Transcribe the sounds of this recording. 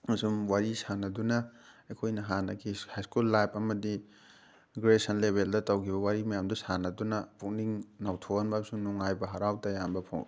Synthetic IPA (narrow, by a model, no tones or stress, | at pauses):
mɐsumwaɾisanɐdunɐekʰojnɐɦanɐɡihajskulːajpʰɐmɐdi | ɡɾesɐnlebʱeldɐtɐwkʰibɐwaɾimɐjamdusanɐdunɐpuk̚niŋnawtʰoanbasumnuŋajbɐɦɐɾawtɐjambɐpʰo̰ŋ